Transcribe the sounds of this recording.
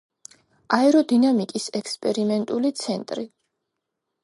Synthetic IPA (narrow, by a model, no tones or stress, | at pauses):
aɛɾɔd̪inamikʼisɛkʰspʼɛɾimɛnt̪ʼulit̪sʰɛnt̪ʼɾi